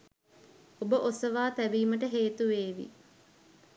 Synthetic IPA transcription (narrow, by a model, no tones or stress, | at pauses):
obəʔosəʋaːt̪æbiːməʈəɦeːt̪uʋeːʋḭ